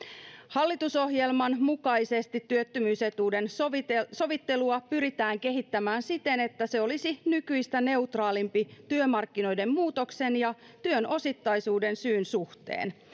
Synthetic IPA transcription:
hɑlːit̪uso̞ɦjelmɑnmukɑise̞st̪it̪ːyøt̪ːymyːse̞t̪uːde̞nso̞ʋit̪ːe̞luɑpyɾit̪æːŋke̞ɦit̪ːæmæːnsit̪ene̞t̪ːæse̞o̞lisinykyist̪æne̞ut̪rɑːlimpit̪yømɑrkːino̞jde̞mmuːt̪o̞kse̞njɑ | t̪yøno̞sit̪ːɑjsuːde̞nsyːnsuht̪ḛːn

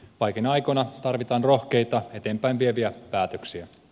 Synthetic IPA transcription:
ʋɑjk̟enɑjkonɑt̪ɑrʋit̪ɑːnro̞hke̞jt̪ɑe̞t̪eːmpæjnʋieʋiæpæːt̪ø̞ksiæ

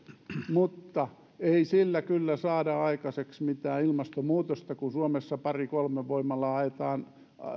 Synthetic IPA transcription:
mut̪ːɑ | eisilːækylːæsɑːdɑɑikɑseksmit̪æːilmɑst̪omuːt̪ost̪ɑkunsuomesːɑpɑrikolmeʋoimːɑlːɑɑet̪ɑːn

